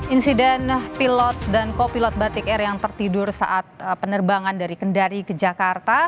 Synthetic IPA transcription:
insidɛnpilɔt̪̚dankopilɔt̪̚bat̪ikɛrjaŋt̪ərt̪idʊrsa̰ʔat̪̚pənərbaŋandaɾikəndaɾikəd͡ʒakart̪a

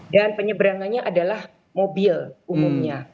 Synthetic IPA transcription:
danpəɲəbəɾaŋanɲaʔadalah | mobilʔumumɲa

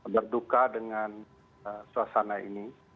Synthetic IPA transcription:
bərdukadəŋan | əsuasanaḭni

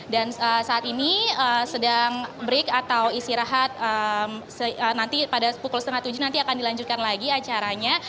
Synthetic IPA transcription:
danəsaːt̪iniəsədaŋbɾɪkat̪awist̪iɾaɦat̪̚əmsəənant̪ipadapukʊlsət̪əŋat̪ːud͡ʒunant̪iakandilaɲd͡ʒut̪̚kanlaɡiat͡ʃaɾaɲa

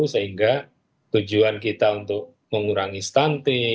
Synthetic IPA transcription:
usəɦiŋɡa | t̪ud͡ʒuankit̪aunt̪ʊk̚ | məŋuɾaŋist̪ant̪i

